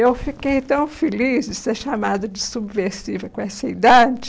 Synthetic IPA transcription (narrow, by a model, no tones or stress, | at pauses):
ewfikejt̪ɐ̃w̃felizd͡ʒɪseɾʃamad̪ɐd͡ʒɪsubveɾsivɐkkõɛsɐid̪ad͡ʒɪ